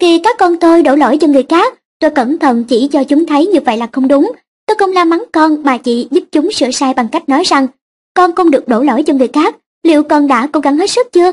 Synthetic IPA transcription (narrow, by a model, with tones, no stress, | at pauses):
xi˨˩kaː˦˥kːɔ˧nt̪o˧jɗo˧˩lo̰˧˩jt͡ɕɔ˧ŋɨ˨˩əjxaː˦˥k̚ | t̪o˧jkə˧˩nt̪ʰə˧˨nt͡ɕi˧˩t͡ɕɔ˧t͡ɕʊ˨˦ŋ͡mt̪ʰə˨˦jɲɨ˧və̰˧˨jlaː˨˩xə˧wŋ͡mɗʊ˨˦ŋ͡m | t̪o˧jxə˧wŋ͡mlaː˧ma˨˦nkɔ˧nɓaː˨˩t͡ɕḭ˧˨zɨ˦˥p̚t͡ɕʊ˨˦ŋ͡msɨ̰˧˨əsaː˧jɓa˨˩ŋka˦˥jk̚nɔ˨˦jza˨˩ŋ | kɔ˧nxə˧wŋ͡mɗɨ˨˩ək̚ɗo̰˧˩lo̰˧˩jt͡ɕɔ˧ŋɨ˨˩əjxaː˦˥k̚ | lḭ˧˨əwkə˨˩nɗa̰ː˧˥ko̰˧˥ɣa˧˦nhe˦˥t̚sɨ˦˥k̚t͡ɕɨ˧ə